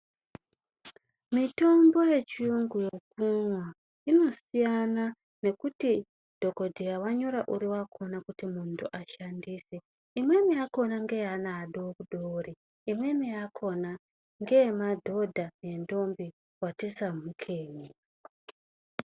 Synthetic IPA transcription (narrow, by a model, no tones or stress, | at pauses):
mito̞mbo̞je̞t͡ʃiuŋɡujo̞k̚unwa | ino̞sijana | ne̞kuti | d̥ʱo̞ko̞dʱijawaɲo̞ɾaʔuɾiwakʰo̞nakutimuntʰuʔaʃandiːse | imwe̞miako̞naŋɡe̞janaːɗokuɗori | imwe̞miakʰo̞na | ŋɡe̞madʱo̞dʱane̞ndo̞mbi | watesamukʰe̞ːɲi